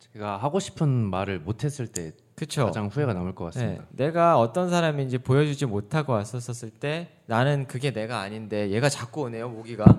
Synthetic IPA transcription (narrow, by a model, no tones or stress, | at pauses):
t͡ɕeɡahaɡoɕʰi̥pʰɯnmaɾɯɭmotʰe̞s͈ɯɭt͈e̞ | kɯt͡ɕʰod͡ʑaŋɸue̞ɡanamoɭk͈ʌk͈asn͈ɯemḭdane̞ɡaʌt͈ʌnsʰaɾamind͡ʑipojʌd͡ʑud͡ʑimotʰaɡoas͈ʌs͈ʌs͈ɯɭt͈e̞ | nanɯnkɯɡe̞ne̞ɡaːɲinde̞je̞ɡat͡ɕak͈uone̞jomoɡiɡa